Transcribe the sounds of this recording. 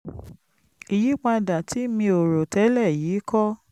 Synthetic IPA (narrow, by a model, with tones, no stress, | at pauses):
i˨ji˨˦k͡pa˧da˨tʰi˨˦mĩ˧o˨ɾo˨tɛ˨˦lɛ˦˨jiː˨˦kɔ˦